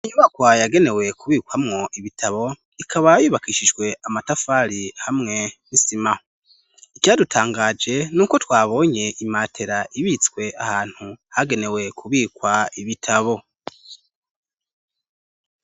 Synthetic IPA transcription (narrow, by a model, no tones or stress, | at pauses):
iɲuβakwajaɡe̞ne̞we̞kʰuβiːkwamŋo̞ʔiβitʰaβo̞ | ikʰaβajuːβakiʃid͡ʒɡwe̞amatafaɾihamŋe̞nisima | ikjadutʰaːŋɡaːd͡ʒe̞nuːko̞twaːβo̞ɲe̞ʔimatʰe̞ɾaʔiβiːt͡skwe̞ʔahaːn̥huhaɡe̞ne̞we̞kʰuβiːkwaiβitʰaβo̞